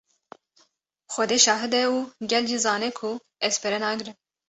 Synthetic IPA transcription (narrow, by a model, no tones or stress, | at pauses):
xʷɛd̪eːʃɑːɦɨd̪ɛuːɡʲɛld͡ʒizɑːnɛkʰu | ɛspʰɛɾɛnɑːɡɨɾɨn